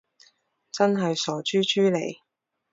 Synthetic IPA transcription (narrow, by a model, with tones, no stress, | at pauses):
t͡sɐ˥nɦɐ˨jsɔː˨˩t͡ʃyː˥t͡ʃyː˥le˨˩j